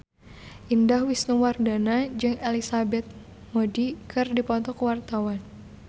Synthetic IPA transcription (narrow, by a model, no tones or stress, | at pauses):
ʔindahwisnuwardanad͡ʒɨŋelisabɛt̪̚ | modikʰɨrdipɔt̪ɔkwart̪awan